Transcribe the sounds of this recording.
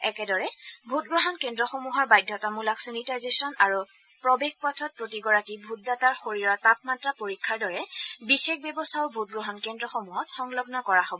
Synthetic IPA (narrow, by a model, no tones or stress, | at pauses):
ɛkɛdɔɹɛbʱut̚ɡɹɔɦɔnkendɹɔxomuɦɔɹbajdʱɔtamulaksinitajzesɔnaɹu | pɹɔbex̚pɔtʰɔt̚pɹotiɡɔɹakibʱut̚dataɹxoɹiɹɔtap̚matɹapoɹikʰːaɹdɔɹɛbixex̚bjɛbɔstʰaʊbʱut̚ɡɹɔɦɔnkendɹɔxomuɦɔtxɔŋlɔɡnɔkɔɹaɦobɔ